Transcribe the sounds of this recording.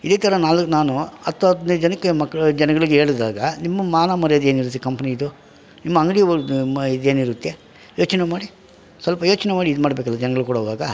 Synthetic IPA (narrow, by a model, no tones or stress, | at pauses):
id̪eːt̪ɐɾɐnaːlnaːnuɐt̪ʋɐnd͡ʒɛnɐkːemɐkːɐd͡ʒɛnɐɡɐɭiɡe̞ːɭd̪aːɡɐnimːɐmaːnaːmɐɾɐjɐd̪eːniɾut̪ːekɐmpɐniːd̪u | nimːɐɐŋɡɭij | d̪eːniɾut̪ːe | jo̞ːt͡ʃnemaːɽi | sʋɐlpɐjo̞ːt͡ʃɐnemaːɽiːd̪umaːɽɐbeːkɐlːɐd͡ʒɛnɐɡɐɭukuːɽɐːʋaːɡɐ